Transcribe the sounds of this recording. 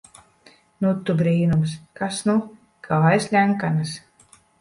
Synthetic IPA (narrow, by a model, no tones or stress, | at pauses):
nut̪ːubɾiːnumskasnu | kaajslʲæŋkanas